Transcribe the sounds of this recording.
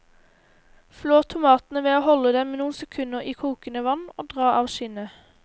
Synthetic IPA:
floːʁt̪ʰʊmɑːt̪n̩əʋeːoːhɔləd̪ɛmːnuːnsɛkʰʉnəʁiːkʰuːkənəʋɑno̰ːd̪ʁɑːɑːʋʃɪnə

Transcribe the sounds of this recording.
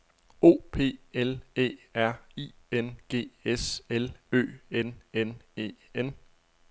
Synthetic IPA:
o̝̰ːpʰe̝̰ːelḛːæɐ̰ḭː | enɡ̥e̝̰ːeselø̰ːenenḛːen

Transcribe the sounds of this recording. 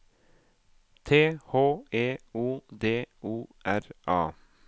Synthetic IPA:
t̪ʰeːhoːʔeːuːd̪eːuːʔæɾʔɑ̰ː

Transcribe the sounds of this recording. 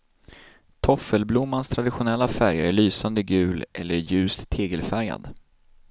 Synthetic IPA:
t̪ʰɔfəlblʊmːanst̪ʰɾad̪ɪɧʊnɛlːafæɾjaæɭyːsand̪əɡʉ̟ːlʔɛlːəɾjʉ̟ːst̪ʰːeːɡəlfæɾja̰d̪

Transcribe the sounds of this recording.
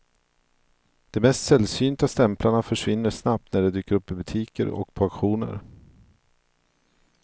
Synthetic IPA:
d̪̥ɛmɛst̪sɛlsyːnt̪ast̪ɛmplaɳafœʂvɪnːəʂnap̚t̪næɖɛd̪yːkəɾɵpːɪbɵt̪ʰiːkə̰ɾɔ̰k̚pʰoakɧuːnə̰ɾ

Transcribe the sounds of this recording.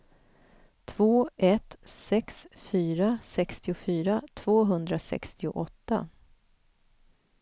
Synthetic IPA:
t̪ʰvoːɛt̪sɛksfyːɾasɛkst̪ɪʊfyːɾat̪ʰv̥oːɦɵnd̪ɾasɛ̰kst̪ɪʊ̰ʔɔt̪ːa̰

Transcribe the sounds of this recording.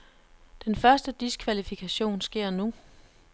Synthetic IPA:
d̥enfɶɐsd̥əd̥iskʰʋælifikʰæɕo̝̰ːnsɡ̥e̝ɐ̰nu

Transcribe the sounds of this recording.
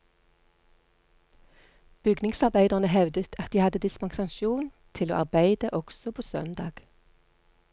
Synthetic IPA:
b̥ʏɡnɪŋsɑʁbæɪd̪əʁnəhɛʋd̪ət̪ʰɑt̪̚d̪iːhɑd̪əd̪ɪsmɑŋsɑŋʃjuːnt̪ʰɪlo̰ːʔɑ̰ʁbæɪd̪əʔɔɡ̥sɔpʰoːsœ̰nd̪ɑ̰ːɡ̥

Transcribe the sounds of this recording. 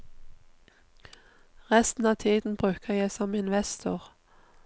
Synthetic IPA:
ʁɛst̪n̩ɑːʋt̪ʰiːd̪n̩bʁʉːkʰəjæɪsɔmɪnʋɛst̪ʰʊʁ

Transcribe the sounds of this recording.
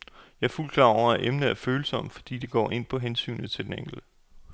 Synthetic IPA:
jɑ̈ɪɐful̰kʰlɑ̈ʊɒ̰æʔemnəæɐføːl̩sɒ̽m̰̥fɒ̽d̥ḭːd̥e̝ɡ̥ɒ̰ːʔe̝n̰pʰɒ̽ɦensy̰ːnð̩ˠt͡sʰe̝ld̥eneŋ̰̥l̩̥ə

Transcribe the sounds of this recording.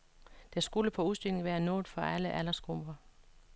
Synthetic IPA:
d̥æsɡ̥uləpʰɒ̽uðˠsd̥ylne̝ŋʋæːɐnɔ̰ːð̩ˠfɒ̽ʔæləʔælɐsɡ̥ʁomb̥ɐ

